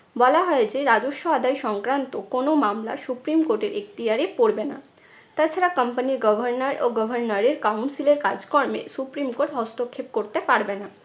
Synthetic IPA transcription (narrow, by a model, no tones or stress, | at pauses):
bɔlaɦɔed͡ʑeɾad͡ʑoʃːoad̪ajʃɔŋkɾant̪okonomamla̰supɾimkoʈeɾʔek̚t̪iɦaɾepoɾbena̰ | t̪at͡ɕʰaɾakəmpaniɾɡɔbʱaɾnaɾoɡɔbʱaɾnaɾeɾkawnsileɾkad͡ʑkɔɾmḛsupɾimkoʈɦɔst̪okʰːep̚koɾt̪epaɾbena